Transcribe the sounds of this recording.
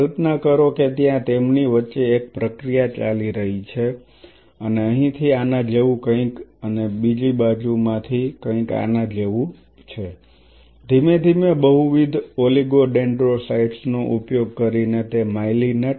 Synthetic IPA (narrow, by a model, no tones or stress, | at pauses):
əlpnakəɾoket̪jãt̪emniʋətːʃeːk̚pɾəkɾijat͡ʃaliɾəɦit͡ʃʰe | əneəɦĩt̪ʰianãd͡ʒəʋũkə̃ĩkənebid͡ʒibad͡ʒumãt̪ʰikə̃ĩka̰nãd͡ʒeʋũ | t͡ʃʰe | d̪ʱimed̪ʱimebəɦuʋid̪ʱoliɡoɖeɳɖɾosaiʈsnoʔupjoɡ̚kəɾinet̪emailinə